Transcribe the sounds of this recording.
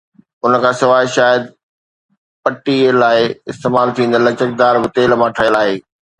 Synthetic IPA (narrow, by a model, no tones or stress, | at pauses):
ʊnəkʰãːsɪʋaːɪʃaːjəd̪ | pɐʈilaːɪɪst̪eːmaːlt̪ʰĩːnd̪lɐt͡ɕək̚d̪aːɾbɪt̪eːlmãʈʰɐjəlaːɦeː